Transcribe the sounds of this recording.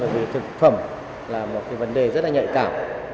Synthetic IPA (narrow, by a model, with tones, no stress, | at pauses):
ɓəː˧˩˨jvi˨˩t̪ʰɨ˨˩k̚fə˧˩m | laː˨˩mo˨t̚kaː˨˦jvə˨˦nɗe˨˩zə˦˥t̚laː˨ɲə̰˧˨jkaː˧˩m